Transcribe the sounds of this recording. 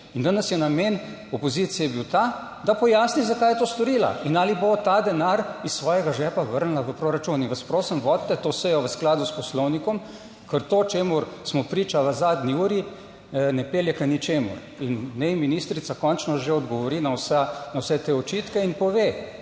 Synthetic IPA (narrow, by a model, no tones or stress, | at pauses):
ind̪anɛsjɛnameːn | ɔpɔzit̪sijɛbiwt̪aː | d̪apɔjaːsnizakaːjɛt̪oːst̪ɔɾila̰inaːlibot̪aːd̪ɛnaɾissʋɔːjɛɡaʒɛpaʋəɾnlaʋəpɾoɾat͡ʃuninʋɐspɾosəmʋɔːt̪t̪ːɛt̪osɛjɔʋəsklaːd̪uspɔslɔwnikɔm | kəɾt̪oːt͡ʃeːmʊɾsmɔpɾiːt͡ʃaʋəzaːd̪niuːɾi | nɛpeːljɛkanit͡ʃeːmṵɾ | inːɛjminiːst̪ɾit̪sakɔnt͡ʃnɔʒeɔd̪ɡɔʋɔɾiːnawsanawsɛt̪eɔt͡ʃiːt̪kɛinpɔʋe